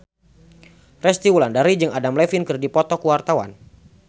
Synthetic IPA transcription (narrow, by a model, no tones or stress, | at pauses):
rɛst̪iwulandaɾid͡ʒɨŋadamlɛfinkɨrdipɔt̪ɔkuwart̪awa̰n